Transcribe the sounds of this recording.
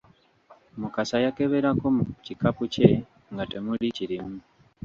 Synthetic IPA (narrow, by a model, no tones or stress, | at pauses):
mukasajakeβeɾakomucikapuce | ŋɡatemuliciɾimu